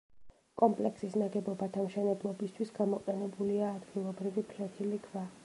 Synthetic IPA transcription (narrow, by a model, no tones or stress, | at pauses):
kʼɔmpʼlɛksisnaɡɛbɔbat̪ʰamʃɛnɛblˠɔbist̪ʰwisɡ̥amɔqʼɛnɛbuliaːd̪ɡilˠɔbɾivipʰlɛt̪ʰilikʰva